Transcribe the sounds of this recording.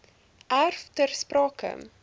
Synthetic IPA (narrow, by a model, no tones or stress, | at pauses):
ʔærftərsprɑːkə̰